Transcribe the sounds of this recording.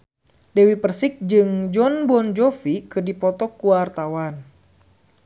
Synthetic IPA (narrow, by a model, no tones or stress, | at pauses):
dewipərsɪk̚d͡ʒɨŋd͡ʒɔnbɔnd͡ʒofikɨrdipɔt̪ɔkuwart̪awan